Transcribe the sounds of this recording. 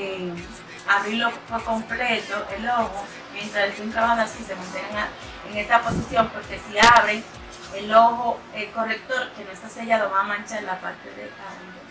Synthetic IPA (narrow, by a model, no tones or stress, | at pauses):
e | aβɾiloofoko̞mple̞t̪oʔelo̞ɣo | mje̞nt̪ɾaselfuŋkaβaðasisemont̪eaŋa | eŋe̞st̪apo̞sisjo̞mpo̞ɾke̞siaβɾeŋ | elo̞ɣoeko̞rek̚t̪o̞ɾke̞noest̪aseʝaðoamãnt͡ʃaelapa̰ɾt̪e̞ðḛkalo